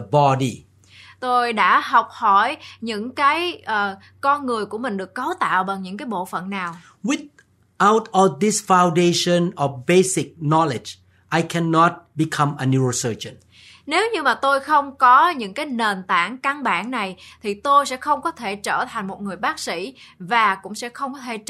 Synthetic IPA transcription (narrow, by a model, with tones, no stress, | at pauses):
əbɔdi | t̪o˧jɗa̰ː˧˥ɦa˨˩wk͡p̚hɔ˧˩jɲɨ̰˧˥ŋkaː˨˦jʔəː˨˩ | kɔ˧nŋɨ˨˩əjku˧˩əmï˨˩ŋ̟ɗɨ˨˩əkːə˨˦wt̪a̰ː˧˨wɓa˨˩ŋɲɨ̰˧˥ŋkaː˨˦jɓo̰˧˨fə̰˧˨nːaː˨˩w | wɪθ | ʔawtʰɔd̪ɪ˦sfã˨w̃ndeʃə̃nɔfbesɪk̚nɔlɪd͡ʒ | ʔajkʰɛnːɔt̚bi˨kʰʌ̃mənjuəsəd͡ʒə̃n | ne˨˦wɲɨ˧maː˨˩t̪o˧jxə˧wŋ͡mkɔ˨˦ɲɨ̰˧˥ŋkaː˨˦jne˨˩nt̪a̰ː˧˩ŋka˧ŋɓaː˧˩nna˨˩jt̪ʰi˨˩t̪o˧jsɛ̰˧˥xə˧wŋ͡mkɔ˨˦t̪ʰe˧˩t͡ɕəː˧˩t̪ʰa˨˩ŋ̟mo˨˩t̚ŋɨ˨˩əjɓaː˦˥k̚sḭ˧˥vaː˨˩kʊ̰˧˥ŋ͡msɛ̰˧˥xə˧wŋ͡mkɔ˨˦t̪ʰe˧˩